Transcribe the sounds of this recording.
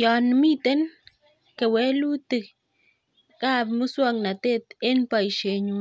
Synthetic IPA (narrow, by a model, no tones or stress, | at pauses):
janmit̪en | kewelut̪ɨk | kabmuswaŋnat̪et̪enpajʃeɲu